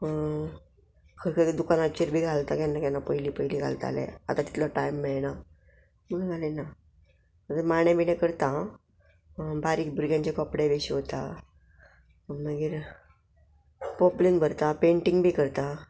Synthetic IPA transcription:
kʰəɾkʰəɾd̪ukanat͡ɕiɾbʱiːɡʱalt̪akjanːakjanːapəjliːpəjliɡʱa̰lt̪a̰lḛ̃a̰t̪at̪it̪lɔʈajmːiɭna | məɡnɡʱalena | ət̪əmaɽjẽbinẽkəɾt̪ã | baɾiːk̚bʱuɾɡjãɲt͡ɕekɔpɽeʋeɕiɦot̪a̰ | məɡiːɾ | pɔplinbʱəɾt̪apeɳʈiŋɡbʱiːkəɾt̪a

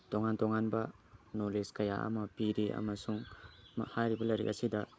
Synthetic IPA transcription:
toŋantoŋanbɐ | noleskɐja̰ʔɐ̰mɐpiɾiʔɐ̰mɐsuŋ | hajɾibɐlɐɾḭkɐsidɐ

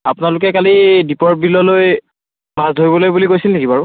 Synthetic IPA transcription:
apʊnalʊkɛkalidipɔɹ̚bilɔloj | mazdʱojbɔlojbulikojsilneɡibaɹʊ

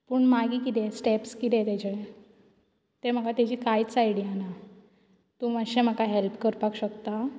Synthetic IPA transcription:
pəɳmaɡiːkit̪esʈepskit̪ɛt̪at͡ɕe | t̪em̤əkat̪jat͡ɕiːkajit͡sajɽiana | t̪umaɕẽm̤əkaɦelpkəɾpakɕəkt̪a

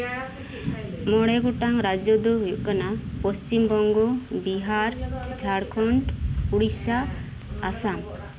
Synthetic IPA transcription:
mɔɽɛɡuʈaŋɾad͡ʒɔd̪ɔɦujuʔkanapɔst͡ʃimbɔŋɡɔbiɦaɾd͡ʒʱaɽkʰɔɳʈuɽisaː | sam

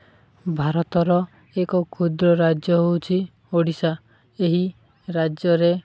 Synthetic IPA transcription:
bʱaɾɔt̪ɔɾɔ | ekɔkʰud̪ɾɔɾad͡ʒjɔɦowt͡ʃʰi | oɽisa | eɦi | ɾad͡ʒjɔɾe

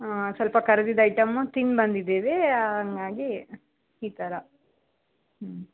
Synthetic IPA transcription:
asɐlpɐkɐɾɐd̪id̪ɐjʈɐmːut̪inbɐnd̪id̪eːʋeɐŋɡaːɡiː | t̪ɐɾɐ

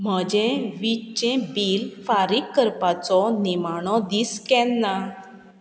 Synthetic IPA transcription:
m̤əd͡ʑẽʋit͡ɕẽbilfaɾikːəɾpat͡sɔnimaɽ̃ɔ̃d̪iːskɛ̃nːa

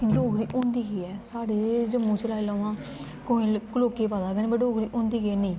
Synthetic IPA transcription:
kloːkɾiːʔõːnd̪iːkiːɛːsaːɽeːd͡ʒəmːũːt͡ʃəlaːiləːʋãː | koːĩːkloːkeːpaːd̪aːɡnĩːbəoːkɾiːʔõːnd̪iːkeːnĩː

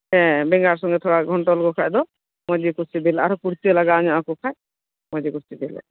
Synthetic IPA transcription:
ɛ̃bɛŋɡaɾs̬ɔŋɡet̪ʰɔɽaɡʱɔɳʈɔlkɔkʰajd̪ɔ | mɔd͡ʒikusid̪ila̰ɾɔkuɾt̪ielaɡaɲɔʔãkukʰaj | mɔ̃d͡ʒekuɾt͡ʃid̪ilḛ

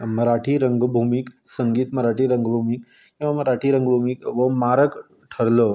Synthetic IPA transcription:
məɾaʈʰiːɾəŋɡbʱumiksəŋɡiːt̪məɾaʈiːɾəŋɡbʱumik | kkĩw̃ʋaməɾaʈʰiːɾəŋɡbʱumikʋəmaɾək | ʈʰəɾlə

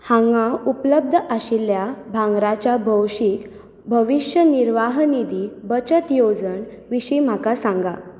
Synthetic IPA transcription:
hãŋɡaupləb̚d̪ʱəʔaɕiljabʱãŋɡɾat͡ɕabʱəwɕik | bʱəʋiɕjəniɾʋaɦnid̪ibət͡ɕət̪jod͡zəɳ | ʋiɕim̤akasãŋɡa

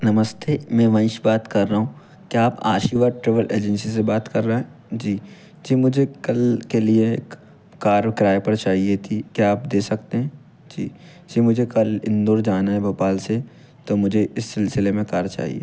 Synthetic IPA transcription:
nɐməst̪eːmɛ̃ːʋɐ̃nʃbaːt̪kɐɾːɐɦũː | kiaːpa̰ːʃiːʋaːʈɾɪʋəlʔḛːd͡ʒɛ̃nsis̬ebaːt̪kɐɾːɐɦɛ̃d͡ʒiː | d͡ʒiːmʊd͡ʒʱekɐlkelieːkː | aːɾkɾaːjepɐɾt͡ʃaːɦiet̪ʰikjiaːpd̪eːsɐk̚t̪eɦɛ̃ː | d͡ʒiː | d͡ʒiːmʊd͡ʒʱekɐlɪ̰̃nd̪oːɾd͡ʒaːnaɦɛbɐpaːlse | t̪omʊd͡ʒʱeʔɪsːɪlsɪlemẽkaːɾt͡ʃa̰ːɦḭḛː

